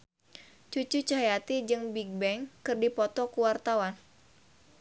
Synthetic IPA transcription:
t͡ʃut͡ʃut͡ʃaɦjat̪id͡ʒɨŋbiɡ̚bɛŋkɨrdipɔt̪ɔkuwart̪awan

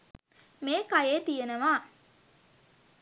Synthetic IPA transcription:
meːkajeːt̪ijenəʋaː

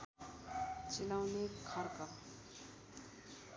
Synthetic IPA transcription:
t͡ʃilawnekʰʌɾkʌ

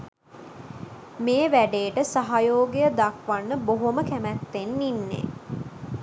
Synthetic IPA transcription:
meːʋæɖeːʈəsaɦajoːɡejəd̪akʋanːəboɦoməkæmæt̪ːenːinːḛ

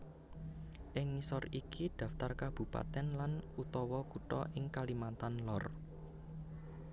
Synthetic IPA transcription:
ʔɪŋːisɔrikid̪̥ä̤ft̪arkab̥ṳpa̰t̪ɛnlanut̪ɔwɔkuʈɔ̰ʔɪŋkalimant̪anlɔr

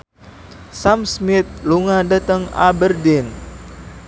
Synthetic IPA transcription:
samsmɪt̪̚luŋadət̪əŋa̰bərdɪn

